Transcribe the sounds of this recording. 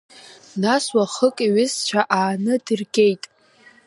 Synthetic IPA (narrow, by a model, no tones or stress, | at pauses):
naswaχəkʼiɥɪst͡ɕʷʰaʔaːnɨdɨrɡʲe̞jtʼ